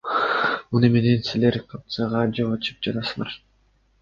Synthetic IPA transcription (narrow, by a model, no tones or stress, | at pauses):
munɯme̞nensileɾqʰɑp̚t̪sɑʁɑd͡ʒoɑt͡ʃʰɯ̥p̚d͡ʒɑt̪ɑsɯlˠɑɾ